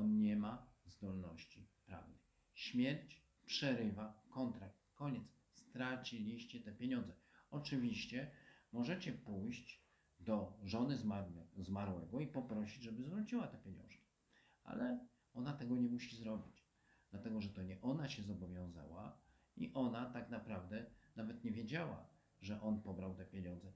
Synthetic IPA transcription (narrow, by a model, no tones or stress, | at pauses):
ɔnɲɛmazd̪ɔlnɔɕt͡ɕipɾa̰vnɨx | ɕmʲjɛɾt͡ɕ | pʂɛɾɘvakɔnt̪ɾak̚t̪kɔɲɛt̪s | st̪ɾat͡ɕilʲiɕt͡ɕɛt̪ɛpʲjeɲɔ̃nd̪zɛɔt͡ʂɘvʲiɕt͡ɕɛmɔʐɛt͡ɕɛpujɕd͡ʑ | d̪ɔʐɔnɘzazmaɾwɛɡɔipɔpɾɔɕid͡ʑʐɛbɘzvɾut͡ɕiwat̪ɛpʲjeɲɔ̰̃w̃ʂkʲi̥ | a̰lɛ | ɔnat̪ɛɡɔɲɛmuɕizɾɔbʲid͡ʑ | d̪̥lat̪ɛɡɔʐɛt̪ɔɲɛʔɔnaɕɛzɔbɔvʲjɔ̃w̃za̰wa̰ | iʔɔnat̪aknapɾavd̪ɛnavɛt̪ɲɛvʲjed͡ʑawa̰ | ʐɛʔɔnpɔbɾawt̪ɛpʲjeɲɔnd̪zɛ